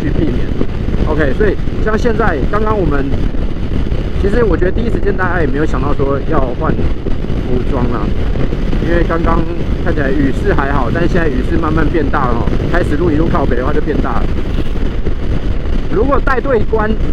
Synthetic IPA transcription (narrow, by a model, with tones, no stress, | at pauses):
t͡ɕʰy˥˧pi˥˨mjɛ̰˨˩˦n | ʔo˧kʰe˥˦ɪswɔ˧˥i˨˩ɕjɑ˥˧ŋɕjɛ˥˧nt͡sa˥˩ɪkɑ˥ŋkɑ˥ŋwɔ˨˩mə˦n | t͡ɕʰi˧˥ʂɻ̩˧˥wɔ˨˩t͡ɕɥɛ˧d̪ə˧i˥˧i˥ʂɻ̩˧t͡ɕjɛ˥nt̪a˥˩t͡ɕja˥˩jɛ˨˩me˧˥jʊɕjɑ˨ŋt̪ɑ˥˩ʊʂwɔ˦˥jɑ˥˧ʊxwa˥˨nfu˧˥˩ʈ͡ʂwɑ˥ŋlɐ̰˧˩ | i˥nwe˥˩ɪkɑ˥ŋkɑ˦ŋ | kʰa˥˩nt͡ɕʰi˨la˨˧ɪy˨˩ʂɹ̩˥˧xa˧˥ɪxɑ˨˩˦ʊt̪a˥˧nɕjɛ˥˧nt͡sa˥˩y˨˩ʂɹ̩˥˧ma˥˧nma˥˧npjɛ˥˧nt̪a˥˩ə˩xɔ̰˥˩kʰa˥ɪʂɻ̩˨˩lu˥ɡi˧˩u˥˧ŋkʰɑ˥˩ʊpe˨˩ɪd̪ə˧wa˥˧˨t͡ɕo˥˧ʊpjɛ˥˧nt̪a̰˥˩ə̰˨˩ | lu˧˥kwɔ˨˩t̪a˥˧ɪt̪we˥˩ɪ˨˩kwa˦n